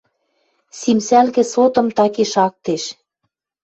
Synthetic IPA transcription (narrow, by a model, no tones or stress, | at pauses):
simsælkɘ̆sot̪ɤ̆mt̪ɑkeʃɑk̚t̪eʃ